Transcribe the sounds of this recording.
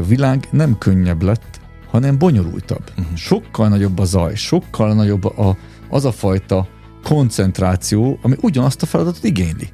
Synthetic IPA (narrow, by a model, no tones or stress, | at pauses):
ɒvilaːɡnɛmkøɲːɛblɛt̪ː | hɒnɛmbo̞ɲo̞ɾṵlt̪ɒ̰bʃo̞kːɒlnɒɟo̞bːɒzɒjʃo̞kːɒlnɒɟo̞bːɒ | ʔɒzɒfɒjt̪ɒ | ko̞nt̪sɛnt̪raːt̪sijoːʔɒmiʔuɟɒnɒst̪ɒfɛlɒd̪ɒt̪ot̪iɡeːɲlḭ